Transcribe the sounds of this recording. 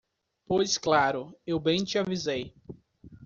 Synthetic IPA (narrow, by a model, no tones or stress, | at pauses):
pojsklaɾʊewbẽj̃t͡ʃɪavizej